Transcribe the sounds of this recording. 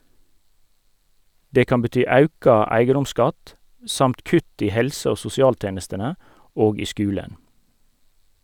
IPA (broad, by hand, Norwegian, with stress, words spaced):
ˈdeː ˈkɑn bəˈtyː ˈɑʉkɑ ˈæɪɡədʊmˌskɑt ˈsɑmt ˈkʉt ˈiː ˈhɛlsə ˈoː sʊsɪˈɑːlˌteːnəstənə ˈoːɡ ˈiː ˈskʉːlən